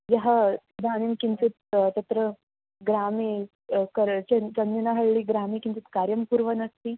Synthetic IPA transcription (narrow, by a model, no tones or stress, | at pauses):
jɐɦəsd̪ʱanimkint͡sut̪̚t̪ɐt̪ɾə | ɡɾami | kəɾt͡ɕet͡sɐnːinaɦəɭɭiːɡɾamikint͡sut̪kaɾjɐmpuɾʋənɐst̪i